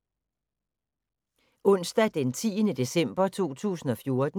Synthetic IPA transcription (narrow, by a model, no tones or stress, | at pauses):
ɔ̽n̰sd̥æd̥ent͡sʰḭːənəd̥e̝sem̰b̥ɐt͡sʰo̝̰ːt͡sʰṵːsn̩ɒ̽fjo̝ɐd̥